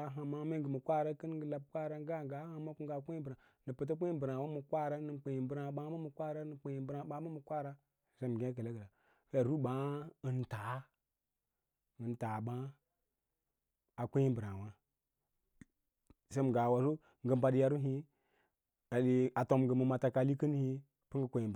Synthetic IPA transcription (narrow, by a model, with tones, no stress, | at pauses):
ɦa˨ma˦me˦ŋ˦ɡə˨mu˨kʷa˦ɾa˦kə˦n˦ɡə˨la˦b̚kʷa˦ɾa˦ɡa˦˨ŋɡa˨˦ha˦ma˦ku˦ŋɡa˨kʷe˦i˦bɾa˨ | ni˨pə˨t̬a˦kʷe˦i˦bə˨ɾa˨wa˦mu˨kʷa˦ɾa˦nɨ˨k͡pe˨ji˨˦bə˨ɾa˨˦ɓa˦mu˦mu˨kʷa˦ɾa˦nə˨k͡pe˨ji˨˦bɾa˨˦ɓa˨˦mu˦mu˨kʷa˦ɾa˦˨ | se˦˨m˨ɡʲẽ˦k̬ə˨la˦ɡə˨la˨ | ka˦˨ɾu˦ɓa˦ə˨nta˨˦ | ə˨nta˨ɓa˦ | a˨kʷe˦ji˦bɾa˨wa˦ | sa˦m˨ɡa˨wa˨so˦ | ŋ˨ɡə˨m˨ba˨ɗi˨ja˦ɾu˦ɦi˦ | a˨ɗi˨a˨to˨mɡə˨mə˨ma˨ta˨ka˨li˦kə˦n˦hi˦ | pi˦ŋɡə˦kʷe˨i˨b